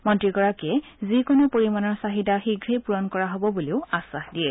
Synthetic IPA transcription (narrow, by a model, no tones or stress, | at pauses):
mɔntɹikɔɹakɛzikonʊpoɹimanɔɹsaɦidaxiɡɹepuɹɔnkɔɹaɦobɔbuleʊasːaxdiɛ